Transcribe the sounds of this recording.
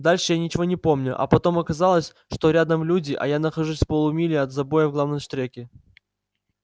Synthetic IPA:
d̪alʲʂɨjanʲɪt͡ɕɪvo̞nʲɪpo̞mnʲʊʔɐ̰pɐt̪o̞mɐkɐzalˠəsʲ | ʂt̪o̞ɾʲad̪əmlʲudʲɪʔɐ̰janəxɐʐusʲpolˠʊmʲilʲɪɐt̪zɐbo̞jəvɡlˠavnəmʂt̪ɾʲekʲɪ

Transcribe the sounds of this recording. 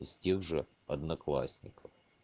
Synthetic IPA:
stʲeɣʐɨ | ɐd̪nɐklˠa̰sʲnʲɪ̰kəf

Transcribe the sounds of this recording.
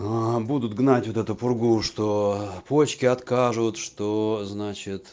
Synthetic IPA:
abud̪ʊt̪ɡnatʲvot̪ɛt̪ʊpʊrɡuʂt̪opot͡ɕkʲɪɐt̪kaʐʊt̪ʂt̪oznat͡ɕɪt̪

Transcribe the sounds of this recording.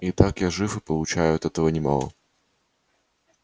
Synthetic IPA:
it̪akjaʐɨfɨpəlˠʊt͡ɕæjʊɐt̪ɛt̪əvənʲɪma̰lˠə̰

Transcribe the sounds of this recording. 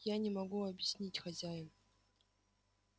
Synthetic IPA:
janʲemɐɡuɐbjɪsʲnʲitʲxazʲajən

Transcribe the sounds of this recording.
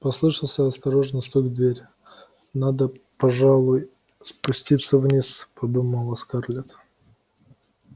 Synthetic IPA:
pɐslˠɨʂəlˠsʲəɐst̪ɐɾoʐnəst̪oɡd̪vʲeɾʲ | nad̪əpɐʐalˠʊj | spʊsʲtʲit̪səvnʲispɐbɨmːolˠɐskarlʲɪt̪

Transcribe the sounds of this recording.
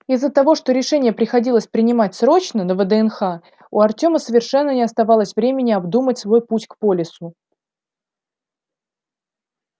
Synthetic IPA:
izːət̪ɐvo̞ʂt̪o̞ɾʲɪʂɛnʲɪjəpɾʲɪxɐdʲilˠəsʲpɾʲɪnʲɪmatʲsɾo̞t͡ɕnənəvəd̪əɛnxa | ʊɐrtʲo̞məsəvʲɪrʂɛnːənʲɪɐst̪ɐvɑlˠəsʲvɾʲemʲɪnʲɪɐbd̪umətʲsvo̞jputʲkpo̞lʲɪsʊ

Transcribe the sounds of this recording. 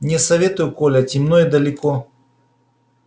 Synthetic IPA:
nʲɛsɐvʲet̪ʊjʊkolʲɐtʲɪmnojd̪ɐlʲɪkɔ

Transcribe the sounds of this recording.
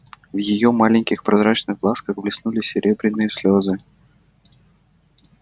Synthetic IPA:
vjɪjo̞malʲɪnʲkʲɪxpɾɐzɾat͡ɕnɨɣɡlˠaskəxblʲɪsnulʲɪsʲɪɾʲʔe̞bɾʲɪnːɨjəslʲozɨ

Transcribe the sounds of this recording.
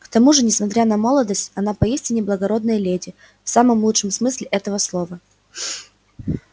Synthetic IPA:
kt̪ɐmuʐɨnʲɪsmɐt̪ɾʲanɐmo̞lˠəd̪əsʲtʲɐnapɐisʲtʲɪnʲɪblˠəɡɐɾo̞d̪nəjəlʲedʲɪ | fsaməmlˠutʂɨmsmɨsʲlʲɪʔɛt̪əvəslˠo̞və

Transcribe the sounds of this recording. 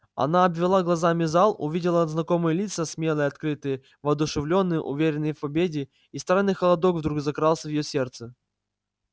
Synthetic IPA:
ɐ̰naɐbvʲɪlˠaɡlˠɐzamʲɪzalˠʊ̰vʲidʲɪlˠəɐznɐko̞mɨjəlʲit̪səsʲmʲelˠəjəɐt̪kɾɨt̪ɨjə | vɐːd̪ʊʂɨvlʲo̞nːɨjə̰ʔʊ̰vʲeɾʲɪnːɨjfpɐbʲedʲɪ | ist̪ɾanːɨjxəlˠɐd̪okvd̪ɾuɡzɐkɾalˠsʲəvjɪjosʲe̞rt̪sɨ

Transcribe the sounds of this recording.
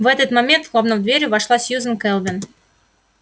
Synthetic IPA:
vɛt̪ət̪mamʲent̪lˠovnəmd̪vʲeɾʲʊvɑʂlˠasʲjuzənkɛlˠvʲɪn

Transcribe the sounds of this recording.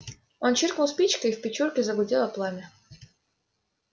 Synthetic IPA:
ont͡ɕɪrknʊlˠspʲit͡ɕkəifpʲɪt͡ɕurkʲɪzəbʊdʲelˠɐplˠamʲɪ

